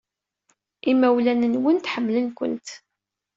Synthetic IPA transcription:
ʔimːæwlænənwənt̪ħəmːlənkʷə̰nt̪

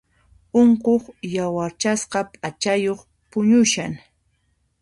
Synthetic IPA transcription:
oɴqoχjawaɾt͡ʃasqɑpʼat͡ʃajoχ | pʊɲʊʃaŋ

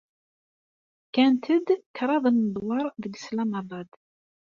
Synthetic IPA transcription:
kænt̪əd̪kɾˤɑðˤənːəbˤlˤːɑɾˤðəɡslæmæbˤɑd̪

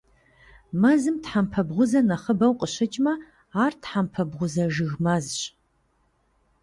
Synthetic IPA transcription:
mɐzɨmtħampʰɐbʁʷʊzɐnɐχəbɐwqʼəɕɐt͡ʃʼmɐ | aːrtħampʰɐbʁʷʊzɐʒɨɣmɐzɕʼ

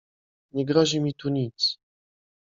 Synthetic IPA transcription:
ɲɛɡɾɔʑimʲit̪uɲit̪s

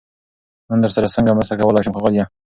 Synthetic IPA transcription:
nənd̪əɾsaɾasəŋɡaməsakawəlɑjʃʊmkaɣəlja

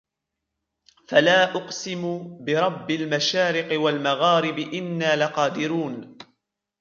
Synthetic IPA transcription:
falaːʔʊqsɪmbɪɾˤɑbːɪlmaʃaːɾɪqɪwalmaɣaːɾɪbɪʔɪnːaːlaqɑːd̪ɪɾuːn

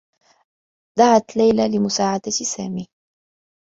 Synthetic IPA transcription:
d̪aʕat̪lajlalɪmʊsaːʕad̪asaːmiː

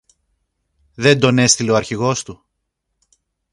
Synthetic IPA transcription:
ðe̞nd̪o̞ne̞st̪ile̞oɐɾçiɣo̞st̪u

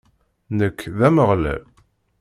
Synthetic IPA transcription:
nəkːðæməʁlæ̰l

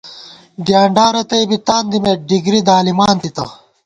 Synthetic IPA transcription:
ɡjaːɳɖaːɾɐt̪ɐjbit̪aːnd̪imeɖiɡɾid̪aːlimaːnt̪it̪ɐ̰

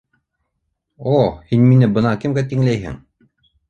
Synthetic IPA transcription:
ohinminɘbɤ̆nɑkɘ̆mɡæt̪iŋlæjɦɘ̰ŋ

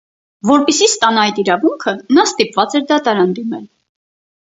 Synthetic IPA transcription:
vɔɾpɛsist̪ɑnɑjt̪iɾɑvuŋkʰənɑst̪ipvɑt͡sɛɾd̪ɑt̪ɑɾɑnd̪imɛl

